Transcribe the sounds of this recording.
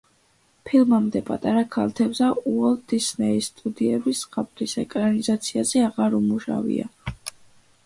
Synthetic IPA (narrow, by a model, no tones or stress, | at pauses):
pʰilˠmamd̪ɛpʼat̪ʼaɾakʰalˠt̪ʰɛbzauɔlˠd̪̥isnɛisːt̪ʼud̪iɛbisχapʼɾisɛkʼɾanizat̪sʰiazɛaʁaɾumuʃa̰vḭa̰